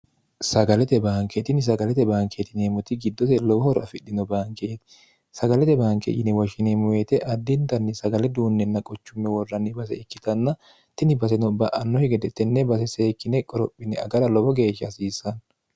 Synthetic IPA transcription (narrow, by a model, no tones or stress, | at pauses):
sɐɡɐlɛt̪ɛbaːŋkɛt̪ɪnɪs̬ɐɡɐlɛt̪ɛbaːŋkʰet̪ɪneːmʊt̪ɪɡɪd̪ːɔsɛlɔwɔhɔɾɐ̰fɪɗːɪnɔbaːŋkeːt̪ɪ̥ | sɐɡɐlɛt̪ɛbaːŋkḛʔɪnɛwɔʃɪneːmʊjeːt̪ɛʔɐd̪ːɪnt̪ɐnːɪsɐɡɐlɛd̪uːnːɛnːɐkʼɔt͡ʃːʊmːɛwɔrːɐnːɪbɐs̬ɛ̰ɪkːɪt̪ɐnːɐ | t̪ɪnɪbɐs̬ɛnɔbɐʔɐnːɔhɛɡɛd̪ɛt̪ːɛnːɛbɐs̬ɛse̞ːkːɪnɛkʼɔɾɔpʼːɪnɛɐ̰ɡɐɾɐlɔbɔɡe̞ːʃːɐsiːsːɐn